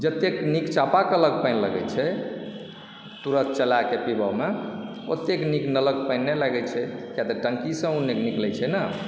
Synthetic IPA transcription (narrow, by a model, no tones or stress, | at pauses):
d͡ʒət̪ːeknikt͡ʃapakələɡpəɪnləɡɛ̰t͡ʃʰɛ | t̪uɾət̪̚t͡ʃəlakepibəme | ot̪ːekniknələɡ̚pəɪnːelaɡɛt͡ʃʰɛkjat̪ɔʈəŋkisə̃unekniklɛt͡ʃʰɛnə